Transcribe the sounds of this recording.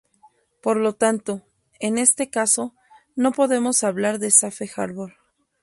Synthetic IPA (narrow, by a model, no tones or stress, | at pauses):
po̞ɾlo̞t̪ant̪o̞ | e̞ne̞st̪e̞kaso̞ | no̞po̞ðe̞mo̞saβlaɾðe̞safe̞xaɾβol